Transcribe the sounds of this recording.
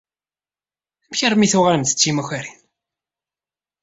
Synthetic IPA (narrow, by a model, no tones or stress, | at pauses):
æmçəɾmiθuʁləmθə̥t͡sːimæçaɾin